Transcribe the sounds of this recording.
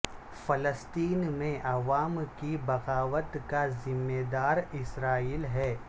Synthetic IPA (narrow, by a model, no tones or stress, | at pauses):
fɐləst̪iːnmẽʔɐʋaːmkibɐɣaːʋət̪kazɪmːeːd̪aːɾɪsɾaːiːlɦɛː